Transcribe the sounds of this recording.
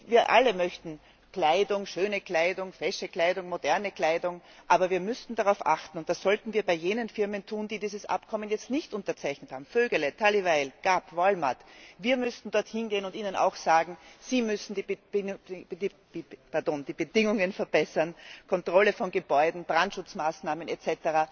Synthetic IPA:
viːɐʔa̰ləmœçtn̩ | kl̥aɪdʊŋʃøːnəkl̥aɪdʊŋfɛʃəkl̥aɪdʊŋmodɛɐnəkl̥aɪdʊŋʔaːbɐviːɐmʏstn̩d̥aʁaʊfʔa̰xtn̩ʊnt̚d̥asz̥ɔltn̩viːɐbaɪjeːnənfɪɐməntʰuːnd̥iːdiːzəsʔa̰pkʰɔmənjɛt͡stnɪçtʊntɐt͡saɪçnəthaːbm̩føːɡələtʰalivaɪlɡ̥apvɔlma̰tviːɐmʏstn̩dɔɐthɪnɡeːənʊntiːnəna̰ʊxsaːɡŋ̩z̥iːmʏsn̩di̥ | d̥ | pɛɐdoːnd̥iːbədɪŋʊŋənfɛɐbɛsɐnkʰɔntʁ̥ɔləfɔnɡəbɔʏdn̩b̥ʁantʃʊt͡smaːsnaːmənɛt͡sɛtəʁaː

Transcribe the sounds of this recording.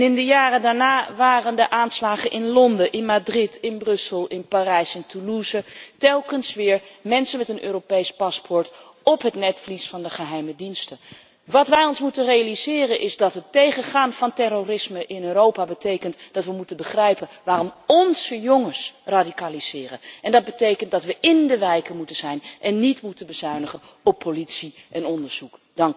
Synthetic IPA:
nɪndəjaːrədaːɹnaːʋaːrəndəʔaːnslaːχənʔɪnlɔndəʔɪnmadrɪtʰɪnbrɵsəlˠɪnparɛjsɛntʰuluzətɛlˠkənsʋɪːɹmɛnsənmɛtənʔøːɾopejspɑspɔɹt | ɔpɦətnɛtflisfɑndəχəɦɛjmədinstə | ʋɑtʋɛjɔnsmutənrejalizɪːrənʔɪzdɑtɦətejχəχaːnv̥ɑntɛrorɪsməʔɪnøːɾowpaːbətejkəntd̥ɑtʋəmutənbəχrɛjpənʋaːrɔmɔnz̥əjɔŋəɹsradikaːliz̥ɪːrə̰nʔɛndɑd̚bətejkəntdɑtʋəʔɪndəʋɛjkəmutənz̥ɛjnʔɛnːitmutənbəz̥œɥnəχən | ɔpʰːolitsiʔɛnɔndəɹz̥uk | d̥ɑŋk

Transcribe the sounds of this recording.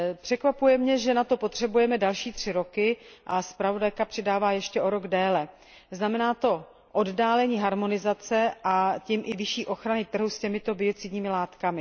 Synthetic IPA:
pr̝̥ɛkvapujɛmɲɛʒɛnat̪o̞po̞t̪r̝̥ɛbujɛmɛdalʃiːt̪r̝̥ɪɾo̞kɪʔaspɾavo̞dajkapr̥ɪdaːvaːjɛʃcɛʔo̞ɾo̞ɡdɛːlɛ | znamɛnaːt̪o̞ | ʔo̞ddaːlɛɲiːɦaɾmo̞nɪzat͡sɛʔacimʔɪvɪʃiːʔo̞xɾanɪt̪r̩ɦuscɛmɪt̪o̞bɪo̞t͡sɪdɲiːmɪlaːt̪kamɪ

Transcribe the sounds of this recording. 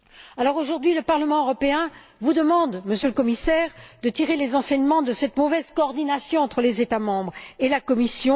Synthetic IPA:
alɔʁoʒuʁd̪ɥiləpaʁləmɑ̃øʁɔpeɛ̃ | vud̪əmɑ̃d̪məsjøləkɔmisɛʁd̪ət̪iʁelezɑ̃sɛɲmɑ̃d̪əsɛt̪mɔvɛzkɔːʁd̪inasjɔ̃ɑ̃t̪χəlezet̪amɑ̃bʁelakɔmisjɔ̃

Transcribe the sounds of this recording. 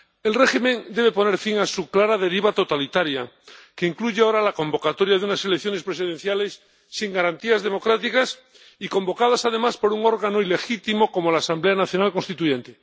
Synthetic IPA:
e̞lre̞ximẽ̞nd̪e̞βe̞po̞ne̞ɾfiŋasuklaɾað̞e̞ɾiβat̪o̞t̪alit̪aɾja | ke̞iŋkluʝeaoɾalako̞mbo̞kat̪o̞ɾjaðeunase̞lekθjo̞nespɾesiðe̞nθjale̞sː | iŋɡaɾant̪iazðe̞mo̞kɾat̪ikas | ikõ̞mbo̞kað̞asað̞e̞maspo̞ɾuŋo̞ɾɣano̞ile̞xit̪imo̞ko̞mo̞laːsamble̞anaθjo̞nalko̞nst̪it̪uʝẽ̞nt̪e̞

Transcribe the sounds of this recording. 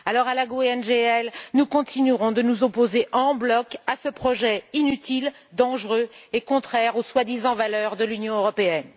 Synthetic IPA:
alɔʁalaɡoɛnʒeɛlnukɔ̃t̪inyʁɔ̃d̪ənuzɔpozeʔɑ̃blɔkasəpχɔʒɛinyt̪il | d̪ɑ̃ʒʁøekɔ̃t̪χɛʁoswad̪izɑ̃valœʁd̪əlynjɔ̃øʁɔpeɛn

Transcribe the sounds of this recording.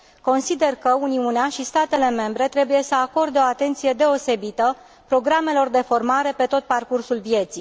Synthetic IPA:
ko̞nsid̪e̞rkəuniuneaʃist̪at̪e̞le̞me̞mbɾe̞t̪ɾe̞buje̞səako̞rd̪eo̞at̪e̞nt̪sije̞d̪e̞o̞se̞bit̪ə | pɾo̞ɡɾame̞lo̞rd̪e̞fo̞rmaɾe̞pe̞t̪o̞t̪̚parkursulvje̞t̪sij

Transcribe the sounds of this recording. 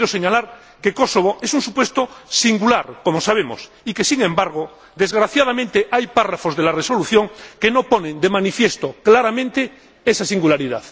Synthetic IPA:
ɾoseɲalaɾ | kekosoβ̞oʔesuŋsupwe̞st̪osiŋɡulaɾkomosaβ̞emo̰s | ikesiŋẽmbaɾɣ̞o | d̪e̞zɣɾaθjað̞amẽnt̪eʔajparafozðelareso̞luθjoŋkenoponẽnd̪emanifjest̪oklaɾamẽ̞nt̪e | esasiŋɡulaɾiða̰ð

